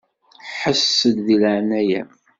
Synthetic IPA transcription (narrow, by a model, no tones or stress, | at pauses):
ħəsːəd̪ðilʕnæjæm